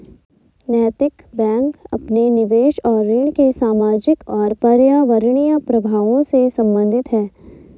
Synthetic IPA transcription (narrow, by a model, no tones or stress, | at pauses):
nɛːt̪ɪkbɛ̃ːŋkɐ̰pnenɪʋeːʃɔːɾːɪɳ̃kesaːmaːd͡ʒɪkɔːɾpɐɾjaːʋəɾɽ̃ijəpɾɐbʱaːʋõsesɐ̃mbə̃nd̪ʱɪt̪ɦɛː